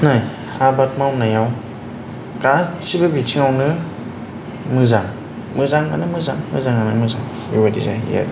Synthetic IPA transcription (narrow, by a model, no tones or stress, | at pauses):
naj | abat̚mawnajaw | kasibɯbitʰiŋawnɯ | mɯzaŋ | mɯzaŋa̰nɯmɯzaŋmɯzaŋanɯmɯzaŋ | juwadḭzaḭja̰d